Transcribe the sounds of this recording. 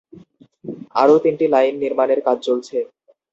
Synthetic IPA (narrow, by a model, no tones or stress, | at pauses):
a̰ɾot̪inʈilajnːiɾmaneɾkad͡ʑʱt͡ɕolt͡ɕʰe